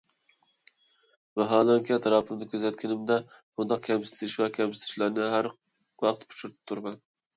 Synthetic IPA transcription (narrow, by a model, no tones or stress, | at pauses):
mɛɦɑːlˠɛŋkʲɛt̪ɾɑpʰɨnɪd̪ɪkʲʰøzɛt̪̚ʲkʲʰɪnɪmd̪ɛχʊnd̪ɑq̚kʲʰɛmsɪ̥t̪ʰɪʃvɛkʲʰɛmsɪ̥t̪ʰɪ̥ʃlæɾnɪɦæɾ | wɑq̚t̪pʰʊ̥ʃuɾt̪ɪ̥p̚t̪ʰuɾmɛn